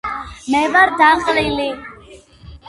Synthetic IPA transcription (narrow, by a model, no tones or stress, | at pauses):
mɛvaɾd̪aqʼlili